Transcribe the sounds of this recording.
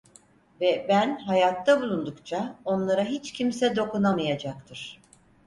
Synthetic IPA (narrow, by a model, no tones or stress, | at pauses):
vɛbænɦajat̪ʰːabulˠund̪ukt͡ʃʰao̞nlˠaɾaɦit͡ʃcʰimsɛd̪o̞kunamɯjad͡ʒak̚t̪ʰɯɾ̥